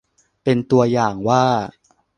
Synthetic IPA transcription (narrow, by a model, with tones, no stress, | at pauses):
pe˧nt̪u˧ɐjaː˨˩ŋwaː˥˩